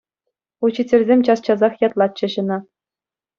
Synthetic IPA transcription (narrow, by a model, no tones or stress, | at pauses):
ut͡ɕɘ̆tʲɘ̆rʲzʲemʲt͡ɕɑst͡ɕɑzɑχjɑt̪lˠɑt̪̚t͡ɕːɤ̆ɕɤ̆nɑ